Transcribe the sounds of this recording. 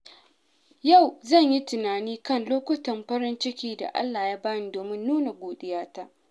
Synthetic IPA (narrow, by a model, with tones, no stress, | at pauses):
ja˦˨wzɐ˦˨ɲji˦tʊ˨naː˨niː˦kɐ˦nloː˦kʷʊ˦tɐ˨mɸɐ˦ɾɪ˦nt͡ʃɪ˦kʲiː˦da̰˨ʔa̰˦lːaː˨jaː˦baː˦niː˨doː˨mɪ˦nːuː˦na˨ɡʷoː˨ɗɪ˦jaː˦taː˦ʔ